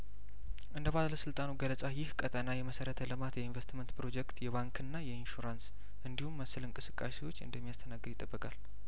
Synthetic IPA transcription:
ʔɨnd̪əβaləsɨlt̪ʼanuɡələt͡sʼajɪhkʼət̪ʼənajɛməsəɾət̪ʰəlɨmat̪jɛinvest̪mənt̪pɾo̞d͡ʒɛkt̪jɛβaŋkʰɨnːajɛinʃuɾans | ʔɨnd̪ihumːəsːɨlɨnŋkʼɨsɨkʼːasewo̞t͡ʃːɨ̰nd̪əmːijast̪ʰənaɡːɨɾɪt̪ʼːəbːəkʼal

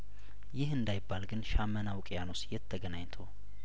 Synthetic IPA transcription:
jɪhɨnd̪ajɪbːalɡɨnʃamːənawkʼjano̞sjɛt̪ʰːəɡənaɲt̪ʰow

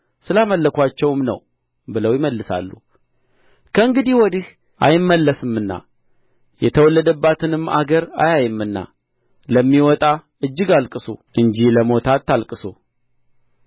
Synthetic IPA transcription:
sɨlaməlːəkʷat͡ʃːɛwmnə̰w | bɨləwjɪməlːɨsa̰lːṵ | kʰəɨŋɡɨd̪iwɔd̪ih | ʔa̰jɪmːəlːəsɨmɨnːa̰ | jɛt̪ʰəwɔlːəd̪əbːat̪ʰɨnɨmːa̰ɡəɾa̰jajɨmːɨnːa̰ | ləmːiwɔt̪ʼa | ɨd͡ʒːɪɡalkʼɨso̰ʔɨɲd͡ʒiləmo̞t̪ʰat̪ːalkʼɨso

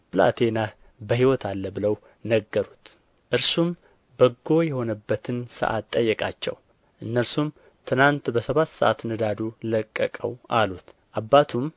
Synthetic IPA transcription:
bɨla̰t̪ʰenah | bəɦiwɔt̪ʰalːəbɨləw | nəɡːəɾut̪ | ʔɨɾsum | bəɡːo̞jɛho̞nəbːət̪ʰɨnsə̰ʔa̰t̪ʼːəjːɛkʼa̰t͡ʃːɛ̰w | ʔɨnːəɾsum | t̪ʰɨnant̪bəsəβat̪ːsə̰ʔat̪nɨd̪ad̪uləkʼːəkʼə̰wʔalut̪ʔabːat̪ʰum

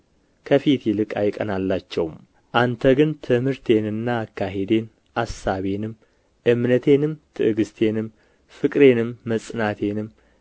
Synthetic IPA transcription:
kʰəfit̪ʰjɛlɨkʼa̰jkʼənalːat͡ʃːɛwm | ʔant̪ʰəɡɨnt̪ʰɨmhɨɾt̪ʰe̞nɨnːaːkːaɦe̞d̪e̞n | asːaβe̞nɨm | ʔɨmnət̪ʰe̞nɨmt̪ʰɨʔɨɡɨst̪ʰe̞nɨm | fɨkʼɾe̞nɨmːəsʼɨnat̪ʰe̞nɨm

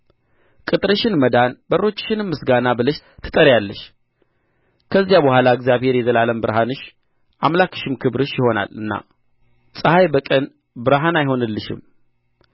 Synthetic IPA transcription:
kʼɨt̪ʼɾəʃɪnməd̪anbərːo̞t͡ʃːʃɪnɨmːɨsɡanabɨləʃt̪ʰɨ̥t̪ʼəɾjalːəʃ | kʰəzːjabəhʷalaəɡzʲijaβhe̞ɾjɛzəlaləmbɨɾhanɨʃ | ʔamlakʰɨ̥ʃɪmkʰɨbɾɨʃjɪho̞na̰lɨnːa̰ | sʼɨhajbəkʼən | bɨɾɦanajho̞nɨlːɨʃɪ̰m

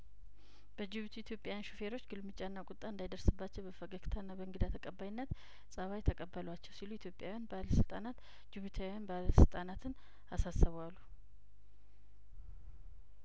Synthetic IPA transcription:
b̥əd͡ʒɪβɨt̪ʰujit̪ʰjo̞pʼjajanʃufe̞ɾo̞t͡ʃːɡɨlmɨt͡ʃʼanːakʼʊt̪ʼːaɨnd̪ajd̪əɾsɨbːat͡ʃːɛwbəfəɡəkt̪ʰanːabəɨŋɡɨd̪at̪ʰəkʼəbːajɪnːət̪ | sʼəβajt̪ʰəkʼəbːəlwat͡ʃːɛwsiluɪt̪ʰjo̞pʼjawjanbəaləsɨlt̪ʼanat̪ | d͡ʒɪβɨt̪ʰawjanbaləsɨlt̪ʼanat̪ʰɨn | asasːəβalːu

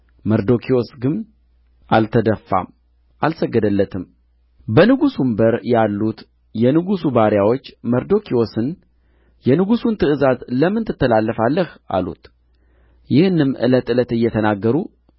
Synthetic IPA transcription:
məɾd̪o̞kʰio̞sɡɨn | ʔalt̪ʰəd̪əfːa̰m | ʔalsəɡːəd̪əlːət̪ʰɨm | bənɨɡusumbəɾjalːut̪ | jɛnɨɡusubaɾjawo̞t͡ʃːməɾd̪o̞kʰio̞sɨn | jɛnɨɡusunt̪ʰɨʔɨzazləmɨnt̪ʰɨt̪ːəlalːəfalːəha̰lṵt̪ | jɪhɨnːɨmːʔɨ̰lət̪ʼɨlət̪ɨjːɛt̪ʰənaɡːəɾu

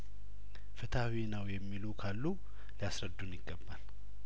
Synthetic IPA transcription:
fɨt̪ʰawinəwjɛmːilukʰalːu | liasɾəd̪ːunjɪɡːəbːal

